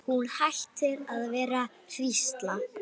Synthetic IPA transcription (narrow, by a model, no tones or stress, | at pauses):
hunhajht̪ɪɾaðvɛːɾa | r̥ist̪la